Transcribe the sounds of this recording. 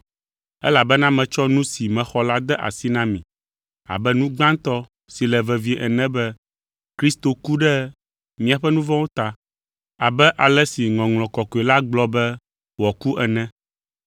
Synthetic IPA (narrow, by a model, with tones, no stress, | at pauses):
ɛ˦la˨bɛ˦nã˦mɛ̃˨t͡ʃɔ˦nũ˦si˨mɛ̃˨xɔ˦la˦d̪ɛ˦ʔa̰˨si˦nã˦mĩ˨ | a̰˨bɛ˦nũ˦ɡ͡bã˦nt̪ɔ˦ | si˨lɛ˨vɛ˨vi˨˦ʔɛ˨nɛ̃˦bɛ˦ | kɾi˦st̪o˨ku˦ɖɛ˦ | mĩ˨a˨ɸɛ˦nũ˦vɔ̃˦wo˦t̪a˨ | a˨bɛ˦ʔa˨lɛ˦si˨ŋɔ̃˨ŋlɔ̃˨kɔ˨kɔ˨e˨la˦ɡ͡blɔ˦bɛ˦ | wɔ˨ku˦ʔɛ˨nɛ̃˦